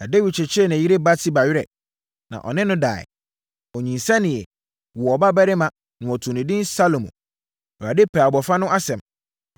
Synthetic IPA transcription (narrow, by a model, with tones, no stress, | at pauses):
na˨de˦wi˨t͡ɕʰɪ˨t͡ɕʰɪ˦ɛ˦˨nã˨ji˦ɾe˦ba˦tʰi˦ba˨ɥɪ˦ɾɛ̰˨ | nã̰˨ʔɔ̰˨nɪ̃˦nʊ̃˦da̰ː˨ɪ̰˨ | ɔ˨ɲĩ˨nsɛ̃˦nɪ̃˨ɛ˨ | wɔ˨ɔ˨ba˦bɛ˦ɾɪ˦mã˨ | nʊ̃˨ɔ˨tʰũ˨nɪ̃˨dɪ̃˦nsa˦lo˨mũ˨ | ɔ˨ɾa˨dɪ˦pʰɛ˨a˨bɔ˨fa˦nʊ̃˦ʔa˦sɛ̃˨m